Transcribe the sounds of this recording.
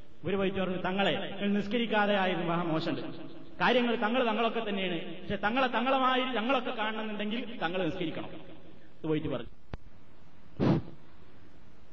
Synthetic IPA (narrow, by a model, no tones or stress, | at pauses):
oɾupɐjit̪ʲːupɐrɐɲːut̪ɐŋːɐɭeɐŋːɐɭniskɐɾikʲːaːðejaːjiðumɐɐmoːɕɐɳɖɨ | kaːɾjɐŋːɐɭt̪ɐŋːɐɭt̪ɐŋːɐɭo̞kːe̞t̪ːɐnːejaːɳɨ | pɐkʂet̪ɐŋːɐɭet̪ɐŋːɐɭɐmaːjit̪ɐŋːɐɭo̞kːe̞kːaːɳɐɳɐnːiɳɖe̞ŋɡilt̪ɐŋːɐɭniskɐɾikʲːɐɳɐ̰m | ɐðɨpɐjit̪ːupɐrɐɲː